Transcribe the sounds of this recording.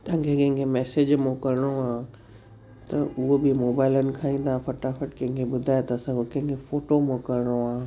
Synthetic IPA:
t̪ɐɦɪ̃ŋkʰekɐ̃ɦɪ̃ŋkʰemɛːsed͡ʑmõkɐɾɪɽ̃oaː | t̪ɐʊɦobɪmoːbaːɪlənɪ̆kʰaːĩːn̆d̪ãfɐʈafɐʈkɐ̃ɦɪ̃ŋkʰebʊd̪ʱaːjet̪ɐsãokɐ̃ɦɪ̃ŋkʰefoːʈomõkɐɾɪɽ̃oaː

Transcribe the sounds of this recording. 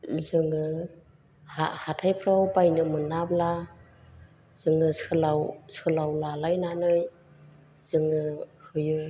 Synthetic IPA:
zɯŋɯ | ha̰hatʰajpʰɾawpajnɯmɯnabla | z̥ɯŋɯsɯlawsɯlawlalajnanɯj | zɯŋɯhɯjɯ

